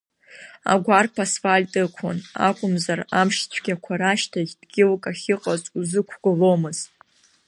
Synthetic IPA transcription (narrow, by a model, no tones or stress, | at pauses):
a̰ɡʷarpʰasfalʲtʼɨkʷʰa̰na̰kʷʼʊmzaramʂt͡ɕʷʰɡʲakʷʰaɾaʃtʰaɡʲdɡʲɪlkʼaχʲɪqʼazʼuzɨkʷʰɡ̥ʊlo̞mɨz̥tʼ